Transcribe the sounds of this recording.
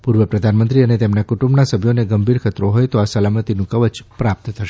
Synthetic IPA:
puɾʋəpɾəd̪ʱanmənt̪ɾiənet̪emnakuʈũmbnasəbʱjoneɡəmbʱiɾkʰət̪ɾoɦojt̪oasəlamət̪inũkəʋət͡ʃpɾap̚t̪t̪ʰəʃe

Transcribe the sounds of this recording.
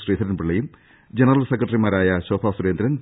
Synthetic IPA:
sriːt̪ʰɐɾɐnpiɭːɐjum | d͡ʑenɐrɐlsekrɐʈːɐrimaːɾaːjɐɕoːpʰaːsuɾeːnd̪ɾɐn

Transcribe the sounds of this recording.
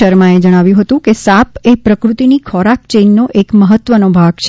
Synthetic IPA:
əɾmãed͡ʒəɽ̃aʋjũɦət̪ũkesapepɾəkɾut̪inikʰɔɾak̚t͡ʃenːoʔekməɦət̪ʋənobʱaɡt͡ʃʰ

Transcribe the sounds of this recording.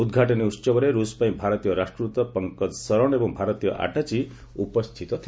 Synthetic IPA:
ud̪ɡʱaʈɔniut͡ʃɔbɔɾeɾuspaĩbʱaɾɔt̪ijɔɾasʈɾut̪ɔpɔŋkɔd̪sɔɾɔɽ̃ebɔ̃ŋ̃bʱaɾɔt̪ijɔ̰ʔa̰ʈat͡ʃʰi | upɔst̪ʰit̪ɔt̪ʰi

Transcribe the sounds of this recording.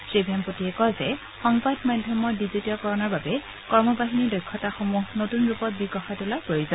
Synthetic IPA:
sebʱijampotiɛkɔzɛ | xɔŋbadmadʱjɔmɔɹdizitiɔkɔɹɔnaɹbabɛ | kɔɹmɔbaɦinidɔjkʰːɔtaxomuɦnotunɹupɔt̚biɡɔxajtʊlapɹojuzɔ

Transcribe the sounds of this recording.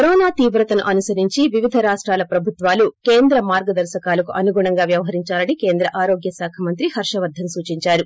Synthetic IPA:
ɐɾɔːnaːt̪iːʋɾɐt̪ɐnuʔɐnusɐɾiɲt͡ʃiʋiʋid̪ʱɐɾaːʂʈɾaːlɐpɾɐbʱut̪ʋaːlukeːnd̪ɾɐmaːɾɡɐd̪ɐɾʃɐkaːlɐkuʔɐnuɡuːɳɐŋɡaːʋjɐʋɐɦɐɾiɲt͡ʃaːlɐnike̞ːnd̪ɾɐʔaːɾoːɡjɐsaːkʰɐmɐnt̪ɾihɐɾʂɐʋɐɾd̪ʱːɐmsuːt͡ʃiɲt͡ʃaːɾu

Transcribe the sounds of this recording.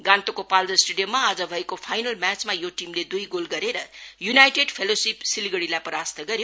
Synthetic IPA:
ɡãnt̪okopald̪ʌsʈeɖijomːaːd͡zʌbʱʌekopʰajnʌlmat͡smajoʈimled̪ujɡolɡʌɾeɾʌjunajʈeɖpʰelosipsiliɡʌɽilajpʌɾast̪ʌɡʌɾjo

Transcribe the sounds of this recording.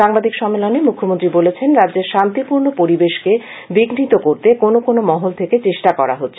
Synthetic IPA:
ʃaŋbad̪ʱikʃɔmːelonemukʰːomont̪ɾibolet͡ɕʰenɾadːd͡ʑeɾʃant̪ipuɾnopoɾibeʃke | biɡnit̪okoɾt̪ekonokonomɔɦolt̪ʰeket͡ɕeʃʈakɔɾa̰ɦotːɕʰ

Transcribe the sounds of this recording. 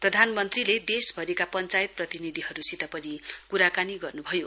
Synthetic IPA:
prʌd̪ʱanmʌnt̪riled̪esbʱʌɾikapʌnt͡sajt̪̚prʌt̪inid̪ʱiɦʌɾusit̪apʌnikuɾakaniɡʌrnubʱʌjo

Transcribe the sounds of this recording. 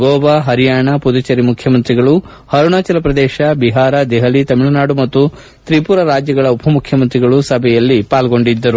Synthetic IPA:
ɡoːbaɦɐɾijaːɳɐpud̪ut͡ʃɐɾimukʰjɐmɐnt̪ɾiɡɐɭu | hɐɾuɳaːt͡ʃɐlɐpɾɐd̪ɛːʃɐbiɦaːɾɐd̪ɛɦɐlit̪ɐmiɭɐnaːɽumɐt̪ːu | t̪ɾipuːɾɐɾaːd͡ʒjɐɡɐɭɐupʰɐmukʰjɐmɐnt̪ɾiɡɐɭusɐbʱɛjɐlːipaːlɡo̞ɳɖid̪ːɐɾu

